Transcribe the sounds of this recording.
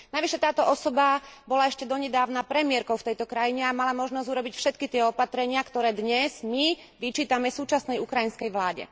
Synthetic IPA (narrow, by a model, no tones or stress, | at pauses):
naʋiʃɛt̪aːt̪ɔʔɔsɔbabɔlaɛʃcɛd̪ɔɲɛd̪aːʊnapɾɛmɪɛɾkɔʊft̪ɛjt̪ɔkɾajiɲɛamalamɔʒnɔzɟuɾɔbicfʃɛt̪kit̪ɪɛɔpat̪ɾɛɲɪakt̪ɔɾɛːd̪ɲɛz̥mi | ʋit͡ʃiːt̪amɛfsuːt͡ʃasnɛjukɾajinskɛjʋlaːɟɛ̰